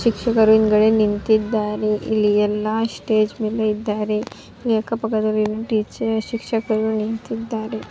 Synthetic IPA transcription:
ɕikʂɐkɐɾuiŋɡɐɽenint̪it̪d̪aɾeʔiliɛlːasʈed͡ʑmiləid̪aɾe | iliɐkapɐkad̪ɐlinuʈit͡ʃɕikʂɐkəɾunint̪it̪d̪aɾe

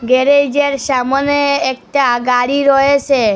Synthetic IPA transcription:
ɡeɾed͡ʒeɾsamɔneːk̚ʈaɡaɾiɾɔet͡ʃʰe

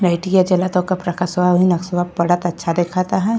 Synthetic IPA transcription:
ɾɐɪʈijad͡ʒɐlat̪õkapɾɐkʰasbabʱinɐksʋabbɐɽat̪ɐtːʃʰad̪eːkʰat̪aɦɛ

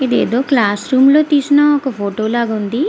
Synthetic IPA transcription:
ed̪iḛd̪oklaːsɾumlot̪isnaɔkopʰoʈolaɡand̪i

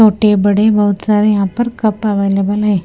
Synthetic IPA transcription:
oʈebəɽebəut̪saɾejãpəɾkəpaʋajlebəlaj

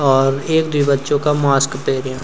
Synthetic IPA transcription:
ɔːɾeːk̚d̪uibətːʃõkamaːskpeːɾjã

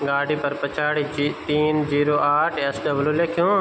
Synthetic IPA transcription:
ɡaːɽipɐɾpɐt͡ʃʰaːɽiit̪iːnd͡ʒiːɾoːʔaːʈʰesɖɐbljuleːkʰjõː

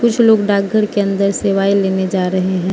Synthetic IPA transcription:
kʊt͡ʃʰloːɡɖaːɡʱːəɾkeɐ̃nd̪əɾseːʋaːileːned͡ʒaːɾɐɦeɦɛ̃ː

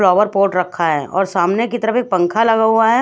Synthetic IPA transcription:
lɔːʋəɾpoːɾʈɾɐkʰːaɦɛ̰ːʔɔ̰ːɾsaːmnekit̪ɐɾəfek̚pɐ̃ŋkʰalɐɡaɦuaɦɛ

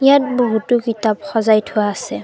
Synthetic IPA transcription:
ijat̚boɦutʊkitapxɔzajtʰʊwaːsɛ

